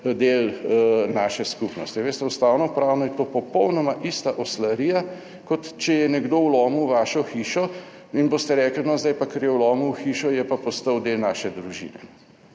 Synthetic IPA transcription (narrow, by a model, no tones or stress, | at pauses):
d̪eːlnaːʃɛskupnɔ̰st̪iʋeːst̪ɛust̪aːwnɔpɾaːwnɔjɛt̪oːpɔpɔwnɔmaʔist̪aʔɔslaɾiːja | kɔt̪t͡ʃɛjɛnɛɡd̪oːwlɔːmuwʋaːʃɔxiːʃɔ | inboːst̪ɛɾɛːklinɔzd̪ajpakɐɾjɛwlɔːmuwxiːʃɔjɛpapɔst̪əwd̪elnaːʃɛd̪ɾuʒḭːnɛ̰